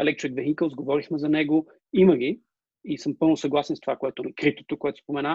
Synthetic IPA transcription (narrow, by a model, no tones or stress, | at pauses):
ɛlɛk̚t͡ʃɛɡ̪vɛxikəlˠzɡovɔɾixmɛzɐnɛɡo | iməɡ̟i | isɤmpɤlˠnʊsɐɡlˠasɛnst̪ovakoɛt̪oɛnɐkɾit̪o̥t̪okoɛt̪o̥spomɛna